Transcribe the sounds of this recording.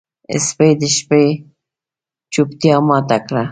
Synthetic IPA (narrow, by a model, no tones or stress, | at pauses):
ɪ̰spejd̪əʃpej | t͡ʃupt̪ijɑmɑt̪akɾa